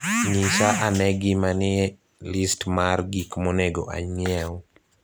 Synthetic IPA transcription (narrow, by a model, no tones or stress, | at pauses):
niʃaʔanɛɡɪmanɪ | listmarɡikmonɛɡo̰ʔa̰ɲjɛw